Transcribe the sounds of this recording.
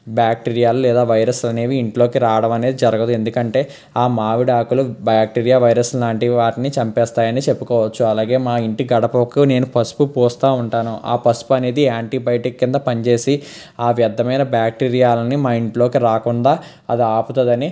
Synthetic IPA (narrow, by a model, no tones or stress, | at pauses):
bjaːk̚ʈiːɾijaːlulɛːd̪aːʋɐjɾɐslɐne̞ːʋiːɳʈlo̞ːkiɾaːʋɐɽɐmɐneːd̪id͡ʒɐɾɐɡɐd̪ue̞nd̪ukɐɳʈe̞ː | aːmaːʋiɽaːkulubjaːk̚ʈiːɾijaːʋɐjɾɐslaːɳʈiʋaːʈinit͡ʃɐmpɛːst̪aːjɐnit͡ʃepːukɔːʋɐt͡ʃːuɐlaːɡe̞ːmaːiɳʈiɡɐɽɐpɐkune̞ːnupʰɐspupoːst̪aːuɳʈaːnuʔa̰ːpɐspuɐne̞ːd̪iaːɳʈiːbɐjʈikːind̪ɐpɐɲt͡ʃe̞ːsi | aːʋjɐd̪ʱːɐmɐjnɐbjaːk̚ʈiːɾijaːlɐnimaːiɳʈlo̞ːkiɾaːkuɳɖaː | ɐ̰d̪iaːput̪ɐd̪ɐni